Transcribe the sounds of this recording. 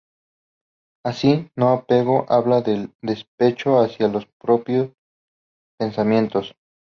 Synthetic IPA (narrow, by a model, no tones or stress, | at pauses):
asino̞apeɣo̞ʔaβlaðe̞ld̪e̞spe̞t͡ʃo̞asjalo̞spɾo̞pjo̞s | pe̞nsamjẽ̞nt̪o̞s